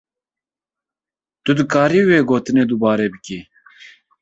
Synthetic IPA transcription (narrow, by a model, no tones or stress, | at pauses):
t̪ʊd̪ɨkaːɾiːweːɡoːt̪ɨneːd̪ubɑːɾeːbɨkiː